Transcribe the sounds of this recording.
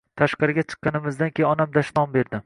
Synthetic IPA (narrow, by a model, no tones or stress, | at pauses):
t̪ʰaʃqɑɾɪɡʲat͡ʃʰɨ̥qːɑnɪmɪzd̪ankʲʰejɒnamd̪aʃnɒmbe̞ɾd̪ɪ